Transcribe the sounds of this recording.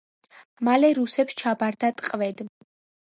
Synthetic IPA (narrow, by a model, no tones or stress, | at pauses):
malɛɾusɛpst͡ʃʰabaɾd̪at̪ʼqʼvɛd̪